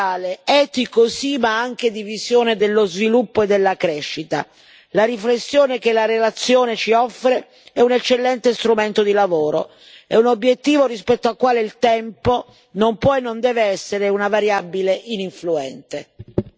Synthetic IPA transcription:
aːleɛt̪ikosimaaŋk̟ed̪ivizjoːned̪elːozvilupːoed̪ːelːakɾɛʃːit̪a̰ | laɾiflesːjoːnekelaɾelat̪sːjoːnet͡ʃiɔfːɾe | ɛunet͡ʃːelːɛnt̪est̪ɾument̪od̪ilavoːɾo̰ | ɛunobːjet̪ːiːvorispɛt̪ːoakːwaːleilt̪ɛmpo | nompwɔenːond̪ɛːveɛsːeɾeunavaɾjabileʔiniɱfluɛnt̪e

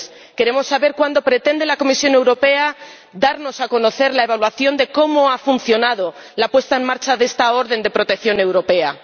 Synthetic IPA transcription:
s | ke̞ɾe̞mo̞sːaβe̞ɾkwand̪o̞pɾe̞t̪e̞nd̪elako̞misjo̞ne̞wɾo̞pe̞a | d̪aɾno̞sako̞no̞θe̞ɾlae̞β̞alwaθjo̞nd̪e̞ko̞moafunθjo̞nað̞o̞lapwe̞st̪aemːaɾt͡ʃaðe̞st̪ao̞ɾðe̞nd̪e̞pɾo̞t̪ekθjo̞ne̞wɾo̞pe̞a̰

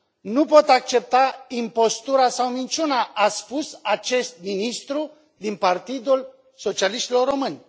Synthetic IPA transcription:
nupo̞t̪ak̚t͡ʃe̞p̚t̪aimpo̞st̪uɾasawnit͡ʃunaʔaspusat͡ʃe̞st̪̚minist̪ɾu | d̪inpart̪id̪ul | so̞t͡ʃialiʃt̪ilo̞rːo̞mɨnʲ

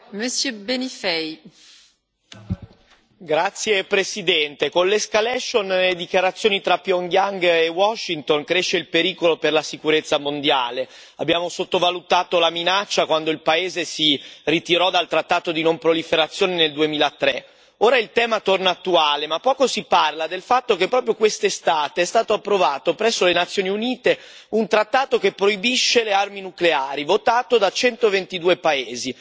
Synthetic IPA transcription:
məsjøbenifɛj | ɡɾat̪sːjepɾesid̪ɛnt̪ekonleskalɛʃːonled̪ikjaɾat̪sːjoːnit̪ɾapjɔŋɡjaŋɡewɔʃːint̪oŋkɾeʃːeilpeɾiːkoloperlasikuɾet̪sːamond̪jaːle | a̰bːjaːmosot̪ːovalut̪aːt̪olaminat͡ʃːakwand̪oilpaeːzesirit̪iɾɔd̪alt̪ɾat̪ːaːt̪od̪inompɾolifeɾat̪sːjoːneneld̪uemiːlat̪ːɾe | oːɾailt̪ɛːmat̪ornaːt̪ːuaːlemapːɔːkosiparlad̪elfat̪ːokepːɾɔːpɾjokwest̪est̪aːt̪eɛst̪aːt̪oapːɾovaːt̪opɾɛsːolenat̪sːjoːniuniːt̪e | unt̪ɾat̪ːaːt̪okepːɾoibiʃːelearminukleaːɾivot̪aːt̪od̪at͡ʃɛnt̪ovent̪id̪uːepaeːzi

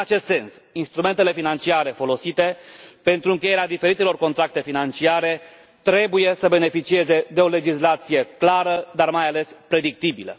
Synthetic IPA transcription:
ɨnat͡ʃe̞st̪se̞nsinst̪ɾume̞nt̪e̞le̞finant͡ʃiaɾe̞fo̞lo̞sit̪e̞pe̞nt̪ɾuɨŋkʲe̞je̞ɾead̪ife̞ɾit̪elo̞rko̞nt̪ɾak̚t̪e̞finant͡ʃiaɾe̞ | t̪ɾe̞buje̞səbe̞ne̞fit͡ʃie̞ze̞d̪e̞o̞le̞d͡ʒislat̪sije̞klaɾəd̪armajale̞spɾe̞d̪ik̚t̪ibilə̰

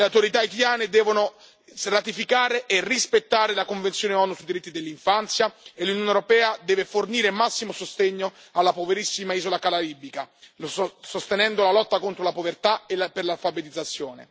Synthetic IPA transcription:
leawt̪oɾit̪ait̪aljaːned̪ɛːvono | rat̪ifikaːɾeʔerːispet̪ːaːɾelakoɱvent̪sjoːneɔnusuid̪iɾit̪ːid̪elːiɱfant̪sjaelːunjoːnewɾopɛːad̪ɛːveforniːɾemasːimosost̪eɲːo | alːapoveɾisːimaiːzolakalaɾibika | sost̪enɛnd̪olalɔt̪ːakont̪ɾolapovert̪aelperlalfabet̪id̪zːat̪sːjoːnḛ

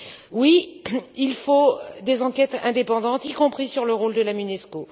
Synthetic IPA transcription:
wiilfod̪ezɑ̃kʲɛt̪ɛ̰̃d̪epɑ̃d̪ɑ̃t̪ikɔ̃pχisyʁləʁold̪əlamynɛsko

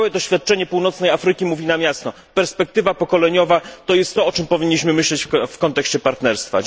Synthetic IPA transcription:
wɛd̪ɔɕfʲjat̪̚t͡ʂɛɲɛpuwnɔt̪snɛjafɾɘkʲimuvʲinamʲjast̪ɔ | pɛɾspɛk̚t̪ɘvapɔkɔlɛɲɔvat̪ɔjɛst̪ːɔɔt͡ʂɘmpɔvʲiɲːiɕmɘmɘɕlɛt͡ɕfkɔnt̪ɛkɕt͡ɕɛpaɾt̪nɛɾst̪fa̰

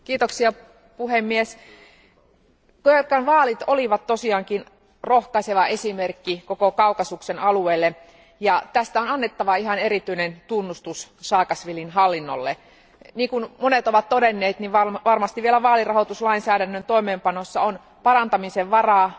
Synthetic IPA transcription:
kiːt̪oksiɑ | puhemːies | køkːɑnʋɑːlit̪oliʋɑt̪t̪osiɑːŋkin | rohkɑiseʋɑesimerkːikokokɑukɑsuksenɑlueːlːe | jɑt̪æst̪æonɑnːet̪ːɑʋɑiɦɑneɾit̪ynent̪unːust̪ussɑːkɑsʋilinɦɑlːinːo̰lːe | niːŋkunmonet̪oʋɑt̪t̪odenːeːt̪niʋʋɑʋɑrmɑst̪iʋielæʋɑːlirɑhot̪uslɑinsæːɾænːønt̪oimeːmpɑnosːɑon | pɑrɑnt̪ɑmiseʋʋɑrɑː

